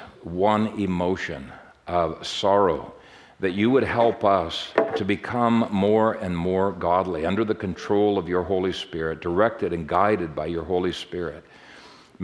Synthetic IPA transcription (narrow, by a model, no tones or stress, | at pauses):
wʌ̃nɪmoʊʃɨ̰̃n | ʌv̥sɑɹoʊ | ðɨt͡ʃɨwəd̚hɛlˠpʌstʰɨbɨkʰʌ̃mːɔɹɨ̃nmɔɹɡɑdˡliʌ̃ndə˞ðɨkɨ̃ntʰɹ̥oʊlˠʌvjə˞ɦoʊlˠispɪɹɨt̚d̥ə˞ɛk̚tɨɾɨ̃nɡaɪɾɨd̚baɪjə˞ɦoʊlˠispɪɹɪt̚